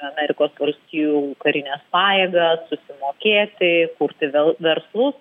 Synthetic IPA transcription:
ɐmʲɛɾʲɪkoːsʋɐlʲsʲt̪ʲiːjukɐɾʲɪnʲɛspɑːjeːɡɐsːʊsʲɪmoːkʲeːt̪ʲɪkʊɾʲt̪ʲɪʋʲɛʋʲɛrslˠʊs

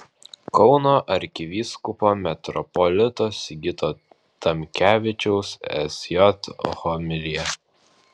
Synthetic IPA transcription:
kɒʊnoːʔɐɾʲkʲɪʋʲiːskʊpoːmʲɛt̪ɾɔpɔlʲɪt̪oːsʲɡʲɪt̪oː | t̪ɐmʲkʲæːʋʲɪt͡ʃʲɛʊsɛ̰sʲjɔt̪xɔmʲɪlʲijɛ

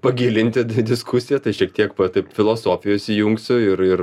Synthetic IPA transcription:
pɐɡʲiːlʲɪnʲt̪ʲɪd̪ʲɪskʰusʲɪjɛt̪ɐɪʃʲiɛk̚t̪ʲiɛkpɐt̪ɐɪpfʲɪlˠoːsoːfʲɪjoːsʲijuŋksʲʊɪɾɪr

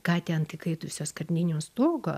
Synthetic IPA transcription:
kɑːt̪ʲɛnt̪ʲɪkɐɪt̪ʊsʲoːskɐɾʲnʲɪnʲoːst̪oːɡoː

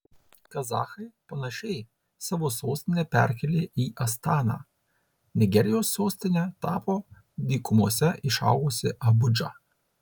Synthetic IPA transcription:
kɐzɑ̰ːxɐɪpɐnɐʃʲɛɪ | sɑːʋoːsoːsʲt̪ʲɪnʲɛpʲæɾʲkʲɛlʲeːʔiːʔɐst̪ɑːnɑ̰ː | nʲɪɡʲɛɾʲɪjoːsːoːsʲt̪ʲɪnʲɛt̪ɑːpoː | d̪ʲiːkʊmuɔsʲɛʔɪʃɑ̰ʊɡʊsʲɪʔɐbʊd͡ʒɑ̰

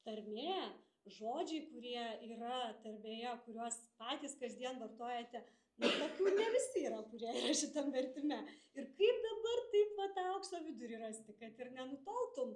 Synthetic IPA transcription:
t̪ɐɾʲmʲeː | ʒoːd͡ʒʲɛɪkʊɾʲiɛiːrɐt̪ɐɾʲmʲeːjɛkʊɾʲuɔspɑːt̪ʲiːskɐzʲd̪ʲiɛnʋɐrt̪oːjɛt̪ʲɛ | nɐt̪oːkʲuːnʲɛʋʲɪsʲɪiːɾɐkʊɾʲiɛirɐʃʲɪt̪ɐmʋʲɛrʲt̪ʲɪmʲɛɪrkɐɪp̚d̪ɐbɐrt̪ɐɪpʋɐt̪ɑɐʊksʲoːʋʲɪd̪ʊɾʲirɐsʲt̪ʲɪkɐt̪ɪrnʲɛnʊt̪ɐlˠt̪ʊm

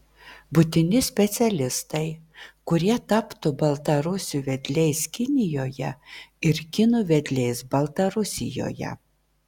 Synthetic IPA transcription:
bʊt̪ʲɪnʲɪsʲpʲɛt̪sʲɛlʲɪst̪ɐɪkʊɾʲiɛt̪ɑpt̪ʊbɐlˠt̪ɐɾʊsʲuːʋʲɛd̪ʲlʲɛɪskʲɪnʲɪjoːjɛɪɾkʲɪnuːʋʲɛd̪ʲlʲɛɪsbɐlˠt̪ɐɾʊsʲɪ̰jo̰ːjɛ̰

